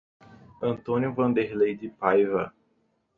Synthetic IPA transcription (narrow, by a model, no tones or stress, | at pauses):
ɐ̃nt̪õnjʊvɐ̃nd̪eɾlejd̪ɪpajvɐ